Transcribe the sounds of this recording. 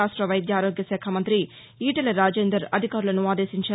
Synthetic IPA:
aːʂʈɾɐʋɐjd̪jaːɾoːɡjɐsɛːkʰamɐnt̪ɾi | iːʈɐlɐɾaːd͡ʒeːnd̪ɾɐɾɐd̪ʱikaːɾulɐnuaːd̪e̞ːsiɲt͡ʃɐ

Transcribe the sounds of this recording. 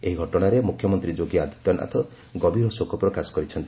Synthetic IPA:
eɦiɡʱɔʈɔɽ̃aɾemukʰjɔmɔnt̪ɾid͡ʒoɡiad̪ʱi̥t̪ɔnʔa̰t̪ʰɔ | ɡɔbiɾɔsokʰɔpɾɔkasɔ̥kɔɾit͡ʃʰɔnt̪i

